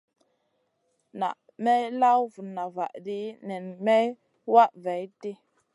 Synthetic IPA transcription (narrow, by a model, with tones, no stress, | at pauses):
na̰˨ʔ | mɛ˦jla˦wvu˨na˨va˨ʔdi˦nɛ˨nmɛ˦j | wa˦ʔva˨jti˦